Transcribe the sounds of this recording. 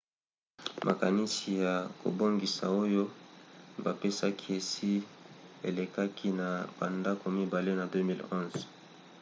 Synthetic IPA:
mʔa̰˨ka˨ni˦si˨ja˨ko̰˨bo˦ŋɡi˨sa̰˨o˦jo˦ | ba˨pe˦sa˦kʰi˦e˨si˦ḛ˨le˨ka˦kʰi˦na˨b̥a˨nda˦ko˨mi˦ba˨le˦na˨dø˦mi˦lɔ̃˦nz

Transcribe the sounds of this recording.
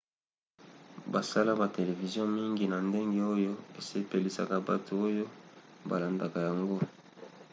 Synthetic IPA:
ba˨sa˦la˦ba˨te˨le˨vi˨zjɔ̃˦mi˦ŋɡi˨na˨nde˦ŋɡe˦o˦jo˦e˨se˦pe˨li˨sa˨ka˨ba˨tʰo˨o˦jo˦ba̰˨la˨nda˨ka˨ja˨ŋɡo˦

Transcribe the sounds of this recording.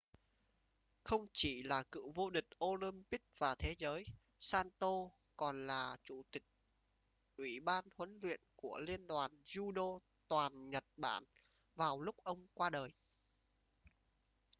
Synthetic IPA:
xə˧wŋ͡mt͡ɕi˧˩laː˨˩kɨ̰˧˨vo˧ɗï˨˩k̟̚ʔo˧li˧mpï˦˥k̚v̥aː˨˩t̪ʰe˨˦zəː˨˦j | saː˧nt̪o˧ | kɔ˨˩nlaː˨˩t͡ɕu˧˩t̪ï˨˩k̚ | ʔwi˧˩ɓaː˧nhwə˨˦nlwḭ˧˨ənku˧˩əli˧ənɗwaː˨˩nzu˧ɗo˧ | t̪waː˨˩nɲə˨˩t̚ɓa̰ː˧˩n | vaː˨˩wlʊ˦˥k͡p̚ʔə˧wŋ͡mkwaː˧ɗəː˨˩j

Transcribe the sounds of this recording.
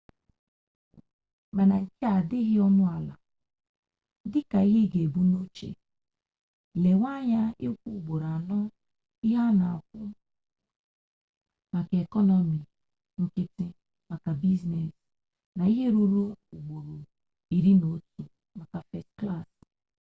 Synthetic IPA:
ma˨na˨ŋ̩˨ke˦a˨dɪ˦ɦɪ˦ɔ˦mʊ˦a˨la̰˨ | dɪ˦ka˨i˦ɦe˦ɡe˨bu˦no˦t͡ʃḛ˨ | le˨wa˦ɲa˦ɪ˦kʷu˦˨ɡ͡bo˨ɾa˨nɔ˦ | i˦ɦa˦na˨kʊ˦ | ma˨ka˨e˨kɔ˦nɔ˨mi˨ | ŋ̩˨kɪ˦tɪ˦ | ma˨ka˨bi˦zne˨s | na˨i˦ɦe˦ɾu˦ɾo˦u˨ɡ͡bo˨ɾo˨ | i˨ɾi˦no˨˦tu˨ | ma˨ka˨fɛ˨stkla˦˨s

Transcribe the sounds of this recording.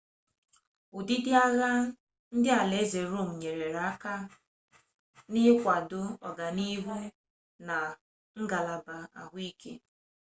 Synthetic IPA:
u˨di˦dɪ˦a˦ɣa˦ | n̩˦dɪ˦a˨le˨˦ze˨ɾo˦˨m̩˨ɲe˨ɾe˨ɾa˦ka˦ | nɪ˦kʷa˨dʊ˦ɔ˨ɡa˨ni˦ɦu˦ | na˨ | ŋ̩˦ɡa˨la˨ba˨a̰˨ɦʷi˦kḛ˦

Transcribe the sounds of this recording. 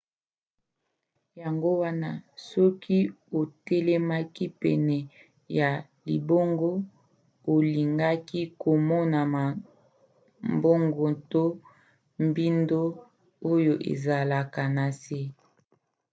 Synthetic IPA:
ja˨ŋɡo˦wa˦na˦sɔ˦kʰi˦ | o˨tɛ˦lɛ˦ma˦ki˦pɛ˨nɛ˨ | ja˨ | lḭ˨bo˦ŋɡo˦ | o˨li˨ŋɡa˦ki˦ko˨mɔ˦na˨ma˨ | mbo˦ŋɡo˨to˦ | mbi˦ndo˦ | o˦jo˨ʔḛ˨za˨la˨ka˨na˨se˦

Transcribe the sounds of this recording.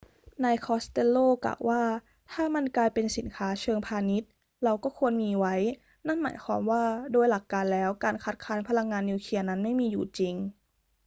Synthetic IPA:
na˧jkʰɔː˦˥st̪e˧lːoː˥˩kla̰˨˩wwːʔaː˥˩ | t̪ʰaː˥˩ma˧nklaː˧jpe˧nsi˨˩˦nkʰaː˦˥t͡ɕʰɤː˧ŋpʰaː˧ni˦˥t̪̚ | ɾa˧wkɔː˥˩kʰu˧ənmiː˧wa˦˥j | na˥˩nma̰ː˨˩˦jkʰwɔː˧˥mwaː˥˩doː˧jla˨˩kːaː˧nlɛː˦˥wkaː˧nkʰa˦˥t̪̚kʰaː˦˥npʰa˧la˧ŋːaː˧nːiː˧wkʰi˧ɐna˦˥nma˥˩jmiː˧juː˨˩t͡ɕi˧ŋ

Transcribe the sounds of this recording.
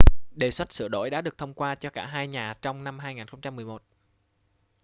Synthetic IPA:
ɗe˨˩swa˦˥t̚sɨ̰˧˩ɗo̰˧˨jɗa̰ː˧˥ɗɨ˨˩ək̚t̪ʰə˧wŋ͡mkwaː˧t͡ɕɔ˧kaː˧˩ɦaː˧jɲaː˨˩t͡ɕɔ˧wŋ͡mna˧mɦaː˧jŋaː˨˩nxə˧wŋ͡mt͡ɕa˧mːɨ˨˩jmo˨˩t̚

